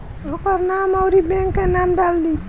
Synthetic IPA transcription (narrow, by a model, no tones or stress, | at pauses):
okɔɾnamawɾibẽŋkːenamɖald̪i